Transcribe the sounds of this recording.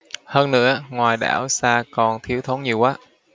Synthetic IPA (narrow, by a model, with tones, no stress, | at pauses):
həː˧nnɨ̰˧˥əŋwaː˨˩jɗa̰ː˧˩wsaː˧kɔ˨˩nt̪ʰi˨˦əwt̪ʰo˨˦nɲi˨˩əwkaː˨˦